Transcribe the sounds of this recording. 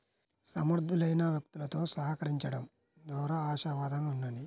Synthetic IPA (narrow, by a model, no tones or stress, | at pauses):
sɐmɐɾd̪ʱulɐjnɐʋjɐk̚t̪ulɐt̪o̞ːsɐɦɐkɐɾiɲt͡ʃɐɽɐm | d̪ɔːɾɐaːʃaʋaːd̪ɐŋunːɐni